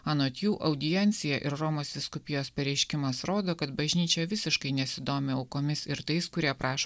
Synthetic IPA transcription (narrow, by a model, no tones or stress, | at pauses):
ɐnoːt̪ʲjuːʔɐʊd̪ʲɪjɛnʲt̪sʲɪjɛʔɪɾɾoːmoːsʋʲɪskʊpʲɪjoːspʲɛɾʲɛɪʃʲkʲɪmɐsɾoːd̪oːkɐt̪bɐʒʲnʲiːt͡ʃʲɛʋʲɪsʲɪʃkɐɪnʲɛsʲɪd̪oːmʲɪɐʊkoːmʲɪsɪɾt̪ɐɪskʊɾʲiɛpɾʔɑːʃo